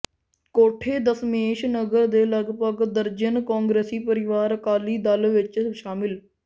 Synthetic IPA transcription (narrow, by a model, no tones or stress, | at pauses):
koːʈʰeːd̪əsmeːʃnəɡəɾd̪eːləɡpəɡd̪əɾd͡ʒənkãːŋɡɾeːsiːpəɾɪʋaːɾkaːliːd̪əlʋɪt͡ʃʃaːmɪl